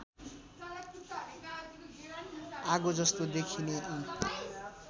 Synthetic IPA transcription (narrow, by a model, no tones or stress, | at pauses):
aɡod͡zʌst̪od̪ekʰineʔ